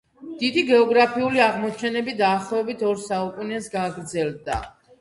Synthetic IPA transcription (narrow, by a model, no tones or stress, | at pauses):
d̪̥id̪iɡɛɔɡɾapʰiuliaʁmɔt͡ʃʰɛnɛbid̪aːχlˠɔvɛbit̪ʰɔɾsaupʼunɛsɡaɡɾd̪zɛlˠd̪a̰